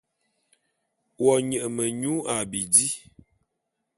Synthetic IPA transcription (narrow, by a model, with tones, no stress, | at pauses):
wɔ˨ɲə˨ʔə˨mə˨ɲu˨˦a˨bi˨di˦